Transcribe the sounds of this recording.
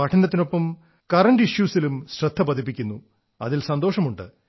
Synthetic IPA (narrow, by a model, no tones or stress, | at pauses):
ɐʈʰɐnɐt̪ːino̞pːɐm | kɐrɐɳɖiɕjuːsilumɕrɐt̪ʰːɐpɐd̪ʱip̬ːikʲːunːu | ɐðilsɐnd̪o̞ːʂɐmuɳɖɨ̰